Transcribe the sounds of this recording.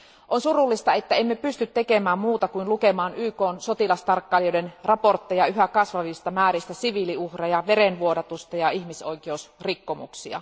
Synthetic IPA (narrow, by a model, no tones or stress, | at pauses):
ʔonsurulːist̪ɑet̪ːæemːepyst̪yt̪ːekemæːmmuːt̪ɑkuinlukemɑːnyːkoːnsot̪ilɑst̪ɑrkːɑːljodenrɑport̪ːejɑyɦækɑsʋɑʋist̪ɑmæːɾist̪æsiʋiliuhrɑjɑʋeɾenʋuodɑt̪ust̪ɑjɑihmiso̞ikeusrikːomṵksiɑ̰